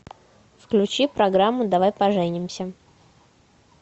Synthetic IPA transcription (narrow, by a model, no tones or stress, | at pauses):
fklʲʉt͡ɕipɾɐɡɾamːʊd̪ɐvajpɐʐɛnʲɪmsʲə